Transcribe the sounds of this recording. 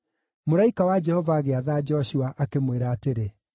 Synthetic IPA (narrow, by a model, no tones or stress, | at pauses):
moɾaikawad͡ʒɛhɔvaːɣeaðaːd͡ʒɔɕuaʔakemweɾaːteɾe